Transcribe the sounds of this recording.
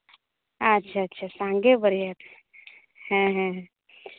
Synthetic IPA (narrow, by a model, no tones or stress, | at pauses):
ətːʃʰaətːʃʰasãŋɡebəɾjat̪ | hɛ̃ɦɛ̃ɦɛ̃